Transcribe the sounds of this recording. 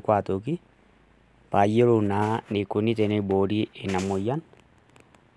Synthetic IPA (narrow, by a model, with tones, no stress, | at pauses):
kwa˨to˨ki˦ | pa˨je˦ɾo˨na˨˦ne˨ko˨ni˦tɛ˨ne˦bo˨ɾi˦e˨na˨mo˨ja˦n